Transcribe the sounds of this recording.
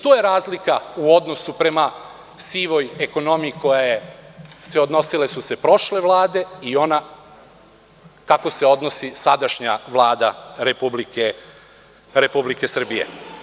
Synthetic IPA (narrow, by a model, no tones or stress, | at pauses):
t̪ojeɾaːzlikauo̞d̪no̞supɾe̞ma | siːʋo̞je̞ko̞no̞miiko̞jajeseod̪no̞sile̞suse̞pɾo̞ʃle̞ʋlˠaːd̪e̞io̞na | kako̞se̞o̞d̪no̞sisad̪aʃɲaʋlˠaːd̪a̰ɾe̞publike | ɾe̞publike̞sr̩bije̞̰